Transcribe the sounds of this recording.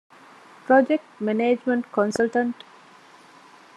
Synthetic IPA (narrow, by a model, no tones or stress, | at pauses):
pɾɔd͡ʒek̚ʈmeneːd͡ʒmə̃ɳʈkɔ̃nsəlʈə̃ɳʈ